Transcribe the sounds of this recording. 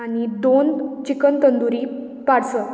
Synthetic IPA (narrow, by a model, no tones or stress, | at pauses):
añid̪ont͡ɕikənt̪ənd̪uɾiː | paɽsə